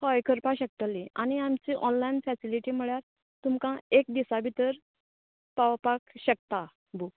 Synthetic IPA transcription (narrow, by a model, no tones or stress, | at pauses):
hɔjkʰəɾpaɕək̚t̪əliʔañiamt͡ɕiʔɔnlainfɛsiliʈiːm̤əɭjaɾ | t̪umkãek̚d̪isabʱit̪əɾ | pawpakɕək̚t̪a | bu